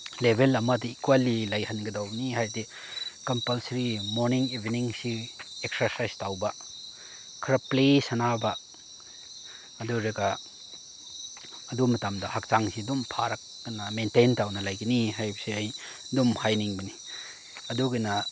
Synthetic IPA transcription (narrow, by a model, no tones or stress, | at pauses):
lebʱelɐmadɐikwalilajhanɡɐdawniɦajde | kɐmpɐlsɐɾimoɾniŋibiniŋsiek̚sɐɾsajstawba | kʰɾɐplesanaba | ɐduɾeɡa | ɐdumɐtamdɐhak̚t͡ʃaŋsidumpʰaɾakːɐnamententawnɐlajɡiniɦajbɐseaj | dumhajniŋbɐni | ɐduɡɐna